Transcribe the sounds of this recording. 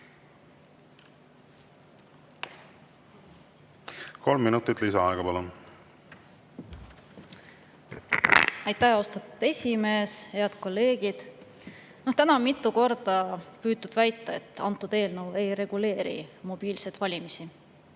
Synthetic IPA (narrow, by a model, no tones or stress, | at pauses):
ko̞lmːinut̪ːˑit̪ːˑlisɑɑeɡɑpɑlu | ɑjt̪ːˑæhost̪ɑt̪ud̪e̞sʲime̞ːshe̞ɑd̪̥ko̞lːe̞ːɡid̪̥ | noht̪ænɑmit̪ːˑuko̞rd̪̥ɑpyːt̪ːˑud̪̥væjt̪ːˑɑet̪ːˑɑ̰nt̪ːˑud̪e̞ːlnɤwe̞jɾe̞ɡ̥ule̞ːɾḭmo̞b̥iːlse̞jd̪̥vɑlʲimisi